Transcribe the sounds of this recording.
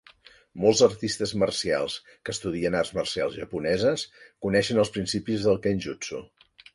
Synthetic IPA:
mɔlˠzərt̪ist̪əzmərsia̰lˠs | kəːst̪uðiənarzmərsialˠzʒəpunɛzəskunɛʃənəlˠspɾinsipizðəlˠkɛnʲʒut͡sṵ

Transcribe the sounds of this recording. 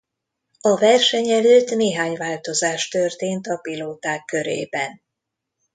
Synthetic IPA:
ɒvɛrʃɛɲɛløːt̪neːɦaːɲvaːlt̪o̞zaːʃt̪ø̞rt̪eːnt̪ɒpiloːt̪aːkːø̞ɾḛːbɛn

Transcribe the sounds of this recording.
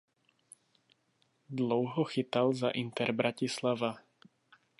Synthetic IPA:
d̪lɔʊɦɔxit̪alzaʔint̪ɛɾbɾacislaʋa

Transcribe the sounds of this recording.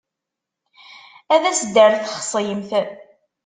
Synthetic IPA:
æðæsəd̪ːəɾθχsˤjəmθ

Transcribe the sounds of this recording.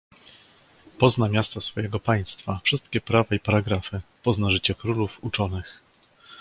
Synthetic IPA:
pɔznamʲjast̪asfɔjɛɡɔpaj̃st̪fafʂɘst̪kʲɛpɾavaipaɾaɡɾafɘpɔznaʐɘt͡ɕɛkɾulufut͡ʂɔnɘx

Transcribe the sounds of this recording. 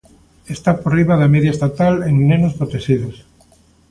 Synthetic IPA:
est̪aporiβaðɐmeðjaest̪at̪aleŋnenospɾot̪eʃiðos

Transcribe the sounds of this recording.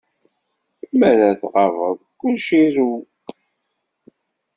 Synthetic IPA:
məɾæθʁɑvə̰ðˤkːʊlʃiɾu

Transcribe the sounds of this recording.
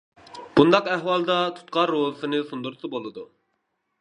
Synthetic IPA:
b̥und̪ɑqæhwɑlˠd̪ɑt̪ʰu̥t̪qɑɾoɦɨsɨnɨsund̪uɾsɨbolˠɨd̪u

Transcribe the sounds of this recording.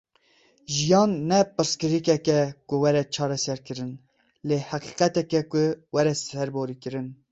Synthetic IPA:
ʒijɑːnːɛpɨɾskɨɾikɛkɛkʊwɛɾɛt͡ʃʰɑːɾɛsɛɾkɨɾɨn | leːhɑqiːqɛt̪ɛkɛkʊwɛɾɛsɛɾboːɾiːkɨɾɨn

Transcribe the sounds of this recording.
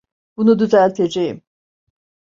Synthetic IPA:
b̥unud̪yzælʲt̪ʰe̞d͡ʒejim

